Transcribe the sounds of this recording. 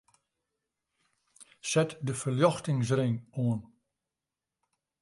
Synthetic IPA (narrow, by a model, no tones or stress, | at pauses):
sɛtdəfərljɔxtɪŋs̬rɪŋoən